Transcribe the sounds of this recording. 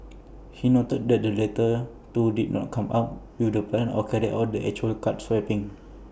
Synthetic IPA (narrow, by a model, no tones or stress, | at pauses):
hinot̪ət̚dɛt̚dəlet̪ə | tudid̚nɔ̰t̚kʰãma̰ʊt̚widəplɛ̃nɔ̰kɛɾiat̚dəʔɛ̰k̚t͡ʃuəlkat̚swɛpɪ̃ŋ